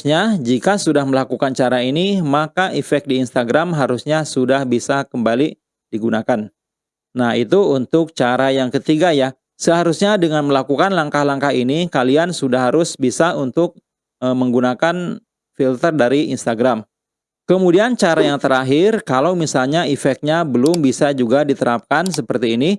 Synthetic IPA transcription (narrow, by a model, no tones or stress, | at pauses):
ɲad͡ʒikasudahməlakukant͡ʃaɾainimakaʔifɛk̚diːnst̪aɡɾamɦaɾusɲasudahbisakəmbali | diɡunakanː | ahḭt̪uunt̪ʊk̚t͡ʃaɾajaŋkət̪iɡaja | səɦaɾusɲadəŋanməlakukanlaŋkahlaŋkaɦinikaliansudahɦaɾʊsbisaunt̪ʊk̚ | əməŋɡunakan | filt̪ərdaɾiinst̪aɡɾam | kəmudiant͡ʃaɾajaŋt̪əɾaɦɪrkalawmisalɲaifɛk̚ɲabəlʊmbisad͡ʒuɡadit̪əɾap̚kansəpərt̪iːni